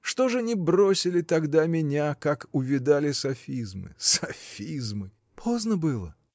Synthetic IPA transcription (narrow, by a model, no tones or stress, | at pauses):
ʂt̪o̞ʐɨnʲɪbro̞sʲɪlʲɪt̪ɐɡd̪amʲɪnʲakakʊvʲɪd̪alʲɪsɐfʲizmɨ̰sɐfʲizmɨ | pʰo̞znəbɨlˠə̰